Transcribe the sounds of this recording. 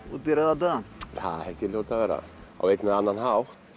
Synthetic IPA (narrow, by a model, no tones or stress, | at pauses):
ɔt̪iɾaðat̪aθa̰ðhɛlft̪ɪlowt̪avɛːɾa̰a̰wvejt̪naðanːanɦawht̪